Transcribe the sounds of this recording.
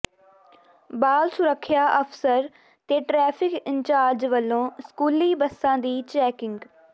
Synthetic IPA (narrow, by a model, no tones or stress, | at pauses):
baːlsʊɾəkʰːjaːʔəpʰsəɾ | t̪eːʈɾɛːpʰɪkɪɲt͡ʃaːɾd͡ʒʋəlːõːskuːliːbəsːãːd̪iːt͡ʃɛːkɪŋɡ